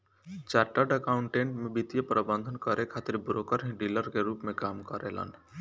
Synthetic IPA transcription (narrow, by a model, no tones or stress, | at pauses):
t͡ʃaːɾʈəɖəkaʊɳʈẽːɳʈmẽbit̪ijəpɾəbə̃nd̪ʱənkəɾekʰaːt̪ɪɾbɾokəɾɦĩɖiləɾkeɾuːpmẽkaːmkəɾḛlə̰ːn